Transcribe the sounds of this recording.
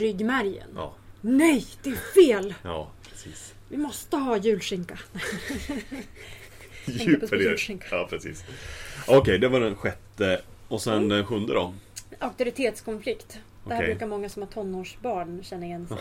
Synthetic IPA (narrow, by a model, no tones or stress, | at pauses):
ɾʏɡːmæɾjə̰n̰ːnɛjd̪̥ɛæfeːlɑːpʰɾɛsiːs | vɪmɔst̪əɦɑːjʉ̟ːlʂɪŋkan | jʉʂɪŋkḁɑːpʰɾɛsḭːsɑɔkʰɛjd̪ɛvaɖɛnɧɛt̪ːəɔsɛnd̪ɛnɧɵnd̪əɾɔak̚t̪ʊɾɪt̪ʰeːt̪skʰɔnflɪkt̪ | dɛhæɾɾʉkaɾmɔŋːasɔmhat̪ʰɔnːoːʂbɑːɳɕɛnːəɾɪjɛnːs